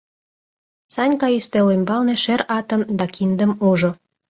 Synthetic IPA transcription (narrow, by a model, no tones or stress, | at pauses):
sɑnʲkɑjyst̪elymbɑlneʃeɾɑt̪ə̆md̪ɑkind̪ə̆muʒo